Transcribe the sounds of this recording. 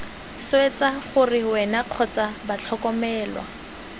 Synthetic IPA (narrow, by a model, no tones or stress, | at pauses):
swet͡saχʊrɪwɛnaq͡χʰɔt͡sabat͡ɬʰɔkɔmɛːlwa̰